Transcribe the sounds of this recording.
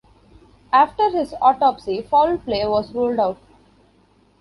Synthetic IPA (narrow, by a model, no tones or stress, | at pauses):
aːfʈəɾhɪzɔːʈɔːpsifɔːlpleːʋɔːzɾoːlɖaʊʈ̚